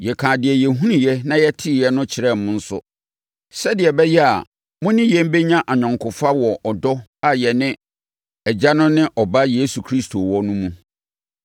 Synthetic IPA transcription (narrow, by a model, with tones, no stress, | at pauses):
jɛ˨kʰãː˨dɪ˨ɛ˨jɛ˨ɦũ˦nĩ˨jɛ˦nã˦jɛ˦tʰɪ˦˨jɛ˦nʊ̃˦t͡ɕʰɪ˨ɾɛ˦˨m˨mʊ̃˦n̩˦sʊ̰˦ | sɛ˦dɪ˨ɛ˨bɛ˦jɛ˦a̰˨ | mʊ̃˦nɪ̃˦jɛ̃˦m˦be˦ɲã˦ʔa˨ɲᶣã˨ŋkʰʊ˨fa˦wɔ˨ʔɔ˨dɔ˦a˨jɛ˨nɪ̃˦ | ɛ˨d͡ʑa˦nʊ̃˦nɪ̃˦ʔɔ˨ba˦jeː˦su˨kʰɾi˦stʰo˨wɔ˦nũ˦mũ˦